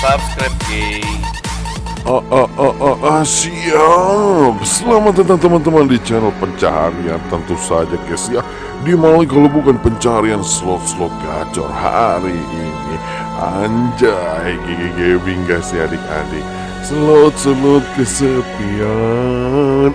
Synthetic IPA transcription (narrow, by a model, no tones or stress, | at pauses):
sabskɾap̚ke | ʔəʔəəʔʔasia | səlamaət̪ant̪əmant̪əmandit͡ʃɛnəlpəɲt͡ʃaɦa̰ɾiant̪ənt̪usad͡ʒakasia | diamalikalowbukanpəɲt͡ʃaɦaɾiansəlɔt̪səlʊt̪̚ɡa̰t͡ʃɔ̰rha̰ɾiʔini | a̰ɲd͡ʒaeɡeɡeɡebiŋɡasiadɪk̚a̰dɪk̚ | səlot̪̚səlot̪̚kəsət̪ia | n